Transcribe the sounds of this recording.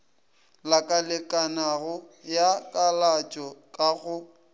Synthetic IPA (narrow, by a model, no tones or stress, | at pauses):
lakʼalɪkʼanaɣʊjakʼalat͡ʃʼɔkʼaɣʊ